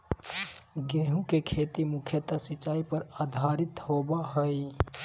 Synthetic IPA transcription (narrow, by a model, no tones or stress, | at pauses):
ɡeɦũkekʰet̪imukʰjət̪asit͡ʃːaipəɾad̪ʱaɾit̪hobaɦəj